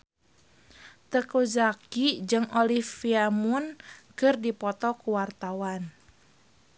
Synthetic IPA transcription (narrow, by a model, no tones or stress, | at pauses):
t̪əkuzakid͡ʒɨŋɔlifiamunkɨrdipɔt̪ɔkuwart̪awan